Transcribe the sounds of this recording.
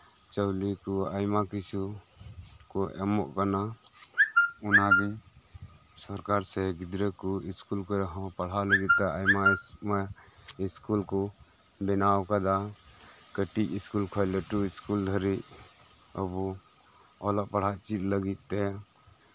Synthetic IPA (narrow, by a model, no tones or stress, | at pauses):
t͡ʃəwlikɔajmakisu | kɔʔɛmɔʔkana | unabi | sɔɾkaɾsɛɡid̪ɾəkɔiskulkɔɾɛɦɔ̃paɽ̤aləɡit̪̚t̪ɛʔajmamaiskulkɔ | bɛnawkad̪a | kəʈiciskulkʰɔjlɛʈuiskuld̪ʱəɾiʔ | əbɔ | ɔlɔʔpaɽ̤at͡ʃit̪̚ləɡit̪̚ˀt̪ɛ